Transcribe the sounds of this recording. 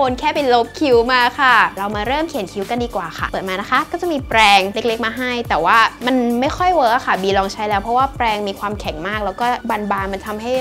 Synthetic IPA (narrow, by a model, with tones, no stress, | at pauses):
oː˧nkʰɛː˥˩pe˧lo˦˥p̚kʰi˨˦˥wmaː˧kʰa˥˩ɾa˧wmaː˧ɾɤː˥˩mkʰi˩˦nkʰi˧˦˥wka˧ndiː˧kwaː˨˩kʰa̰˥˩pɤː˨˩t̪maː˧na˦˥kʰa˦˥kɔː˥˩t͡ɕa˨˩miː˧pɾɛː˧ŋle˦˥k̚le˦˥k̚maː˧ɦa˥˩jt̪ɛː˨˩waː˥˩ma˧nma˥˩jxʰɔ˥˩jwɤː˦˧˥ʔa˨˩kʰa˥˩biː˧lɔː˧ŋt͡ɕʰa˦˥jlɛː˦˥wpʰɾɔ˦˥waː˥˩pɾɛː˧ŋmiː˧kʰwaː˧mkʰɛ˨˩˦ŋmaː˥˩k̚lɛː˦˥wkɔː˥˩ba˧nbaː˧nma˧nt̪ʰa˧mɦa˥˩j